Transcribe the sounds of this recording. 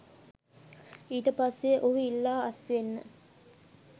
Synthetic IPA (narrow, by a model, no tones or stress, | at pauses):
iːʈəpasːeʔoʋəilːaːɐsʋenːə̰